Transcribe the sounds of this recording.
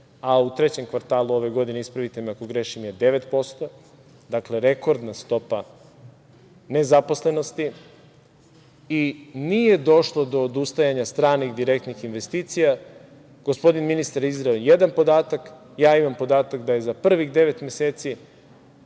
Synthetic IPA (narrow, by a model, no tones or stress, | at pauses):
aut̪ɾe̞t͡ɕe̞mkʋaɾt̪aːlˠuo̞ʋe̞ɡo̞d̪ineispɾaʋit̪emeako̞ɡɾe̞ʃimje̞d̪e̞ʋet̪po̞st̪o̞ | d̪akle̞ɾe̞ko̞ɾd̪nast̪o̞pa | ne̞zapo̞sle̞no̞st̪i | inije̞d̪o̞ʃlˠo̞d̪o̞ːd̪ust̪ajaɲast̪ɾaːnixd̪iɾe̞kt̪nixinʋe̞st̪iːt̪sija | ɡ̥ospo̞d̪inminist̪aɾizɾaejed̪anpo̞d̪aːt̪ak | jaːimampo̞d̪aːt̪akd̪aje̞zapr̩ʋiɣd̪e̞ʋe̞t̪me̞seːt̪si